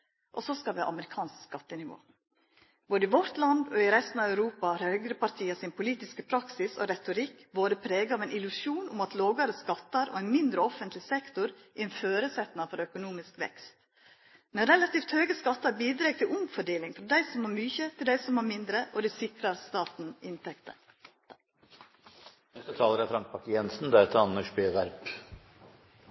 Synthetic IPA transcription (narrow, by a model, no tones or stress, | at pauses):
ʔɔsɔskɑlʋɛʔɑ̰məɾɪkʰɑːnskskɑt̪ːənɪʋo̰ː | b̥oːd̪əɪʋɔɾt̪lɑnd̪ɔɪɾɛst̪nɑʋœʉɾuːpɑɑɾhœɡɾəpɑɾt̪ʰiːəsɪnpʰʊliːt̪ɪskəpʰɾɑksɪsɔ̰ɾɛt̪ʊɾɪkːboːd̪əpʰɾeːɡəɑʋɛnɪlʉsjuːnʊmɑt̪loːɡɑɾəskɑt̪ːɑɾɔ̰ɛɪnmɪnd̪ɾəɔfənt̪ʰlɪsɛkt̪ʊɾ | ʔɪɛnføːɾəsɛt̪nɑfɔɾœkʊnuːmɪskʋɛ̰kst̪ | mɛnɾɛlɑt̪iːft̪høːɡəskɑt̪ːɑɾbiːd̪ɾeːɡ̚t̪ʰɪlʊmfɔɖeːlɪŋfɔd̪æɪsɔmhɑɾmyːçət̪ʰɪld̪æɪsɔmhɑɾmɪnd̪ɾəʔɔd̪ʉsɪkɾɑɾst̪ɑːt̪n̩ɪnt̪ʰɛkt̪ə̰ | ɛsɔt̪ʰɑːləɾɛfɾɑŋk̚pʰɑkəjɛnsn̩d̪ɛɛt̪ːəɾɑnːəʂbeːʋæɾp